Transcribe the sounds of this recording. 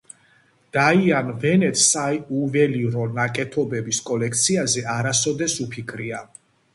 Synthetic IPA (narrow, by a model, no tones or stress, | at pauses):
d̪̥aianvɛnɛt̪ʰsaiuvɛliɾɔnakʼɛt̪ʰɔbɛbiskʼɔlɛkʰt̪sʰiazɛaɾasɔd̪ɛsupʰikʰɾia